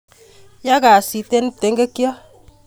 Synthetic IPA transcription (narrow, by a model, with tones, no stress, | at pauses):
ja˦ka˨si˨te˦n˦te˨˦ŋɡe˦kjɔ˦